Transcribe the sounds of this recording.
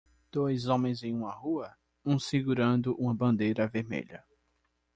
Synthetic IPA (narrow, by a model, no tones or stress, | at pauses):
d̪̥ojzõmẽj̃zẽj̃ũmɐhuɐ | ũsiɡuɾɐ̃nd̪ʊʔũmɐbɐ̃nd̪ejɾɐveɾmḛʎɐ